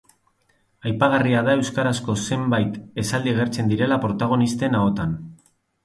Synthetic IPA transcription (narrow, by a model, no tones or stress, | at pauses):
ajpaɣariaðae̞wskaɾasko̞se̞mbajt̪e̞sald̪ieɣ̞e̞ɾt͡se̞nd̪iɾe̞lapɾo̞t̪aɣ̞o̞nist̪e̞nao̞t̪an